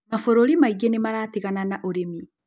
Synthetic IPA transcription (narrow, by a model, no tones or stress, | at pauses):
mafoɾoɾimaiɡenemaɾaːteɣananaʔoɾemi